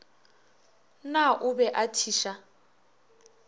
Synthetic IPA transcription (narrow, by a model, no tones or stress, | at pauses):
naʔubɛʔatʰiːʃa